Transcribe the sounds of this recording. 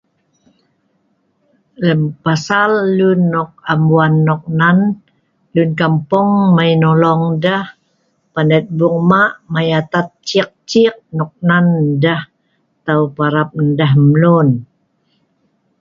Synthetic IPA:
ləmpasalːunːɔk̚ambuanːɔk̚nan | lunkampɔŋmainɔlɔŋdah | panɛt̪̚buŋmaʔmajat̪at̪̚t͡ʃik̚t͡ʃik̚nɔk̚nandah | t̪aupaɾap̚ndaɦmlun

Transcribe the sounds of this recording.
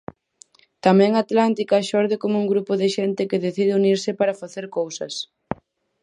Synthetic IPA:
t̪amɛ̃ŋaːt̪lant̪ikaʃɔɾðɪkomouŋɡɾupoðɪʃɛnt̪ɪkɪðeθið̞ɪuniɾsɪpaɾɐfaθeɾkowsɐs

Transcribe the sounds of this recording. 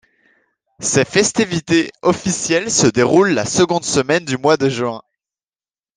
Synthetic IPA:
sɛfɛst̪ivit̪eɔfisjɛlsəd̪eʁulːasəɡɔ̃d̪səmɛnd̪ymwad̪əʒɥɛ̃

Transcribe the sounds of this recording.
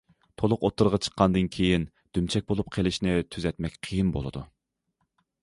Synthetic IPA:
t̪ʰolˠʊqot̪ʰːɨɾʁɑt͡ʃʰə̥qʰːɑnd̪ɨnkʲʰejin | d̪̥ymt͡ʃʰɛk̚ʲbolˠup̚qʰelˠɪʃnɪt̪ʰyzɛt̪mɛkʲqʰijinbo̰lˠɨd̪u

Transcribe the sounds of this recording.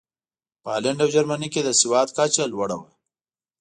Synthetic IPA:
paːleɳɖawd͡ʒaɾmaniked̪əsiwɑːt̪kat͡ʃalwɐɽawa̰

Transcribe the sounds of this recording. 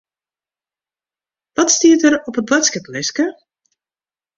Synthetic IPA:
ʋɔtstiətəɾɔpət̚blatskəplɪskə

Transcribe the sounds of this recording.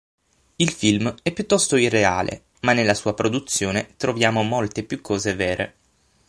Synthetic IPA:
ilfilmɛpːjut̪ːɔst̪oirːeaːlʔḛ | manːelːasuːapɾod̪ut̪sːjoːnet̪ɾovjaːmomolt̪epjukʰːɔːzevɛːɾʔḛ

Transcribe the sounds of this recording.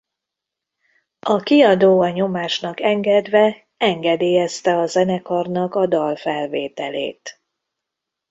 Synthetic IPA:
ɒkiɒd̪oːɒɲo̞maːʃnɒkɛŋɡɛd̪ʋɛ | ɛŋɡɛd̪eːjɛst̪ɛɒzɛnɛkɒrnɒkɒd̪ɒlfɛlveːt̪ɛlḛːt̪

